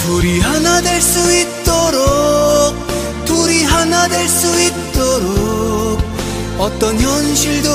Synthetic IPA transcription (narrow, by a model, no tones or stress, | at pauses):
toɾiɦanadwe̞ɭs͈uit̚t͈oɾok̚ | t͈oɾiɦanadwe̞ɭs͈uit̚t͈oɾok̚ | ʌt͈ʌnçjʌnɕʰiɭdo